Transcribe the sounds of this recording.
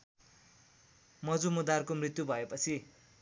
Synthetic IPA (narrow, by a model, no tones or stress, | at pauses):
mʌd͡zumud̪arkomrit̪jubʱʌepʌt͡sʰi